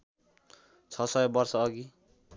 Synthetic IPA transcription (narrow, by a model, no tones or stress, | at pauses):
t͡sʰʌsʌjebʌrsʌːɡi